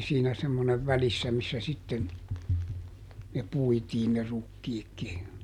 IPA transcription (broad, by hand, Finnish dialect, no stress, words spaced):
siːnæ semːoneʋ ʋælisːæ misːæ sitːen ne puitiːn ne rukːiːkːi